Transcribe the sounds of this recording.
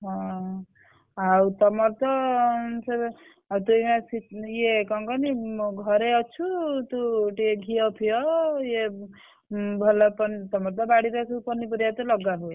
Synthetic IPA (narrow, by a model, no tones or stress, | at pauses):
ɦɔ̃ | aut̪ɔmɔɾt̪ɔse | at̪umasijekɔŋkɔniɡʱʌɾeɔt͡ʃʰut̪uʈieɡʱiɔpʰijɔje | bʱɔlapɔnit̪ɔmɔɾt̪̬ɔbaɽiɾakukɔnipɔɾiat̪ɔlɔɡabue